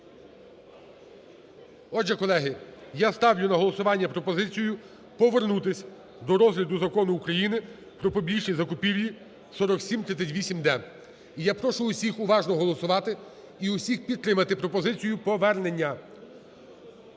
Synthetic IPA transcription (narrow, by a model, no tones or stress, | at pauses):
ɔd͡ʒɛkɔlˠɛɦɪjast̪ɑwjʊnɐɦɔlˠɔsʊʋɑnʲːɐpɾɔpɔzɪt͡sʲijʊ | pɔʋernut̪ɪsʲ | d̪ɔɾɔzɦlʲɐd̪ʊzɐkɔnʊːkɾɐjinɪ | pɾɔpɔbʲiʒnʲizɐkʊpʲiʋʲji | sɔɾɔksʲimt̪ɾɪt͡sʲsʲɐtʲʋʲisʲimd̪ɛ | ijapɾɔʃʊːsʲixʊʋɑʒnɔɦɔlˠɔsʊʋɑt̪ɪ | iʊsʲixpʲid̪̚t̪ɾɪmɐt̪ɪpɾɔpɔzɪt͡sʲijʊpɔʋɛrnenʲːɐ